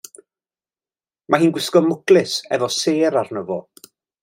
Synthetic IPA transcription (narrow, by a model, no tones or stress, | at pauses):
mʔaɦiːnɡwɪskɔmʊklˠɪsɛ̰vɔseːɾarnəvɔ̰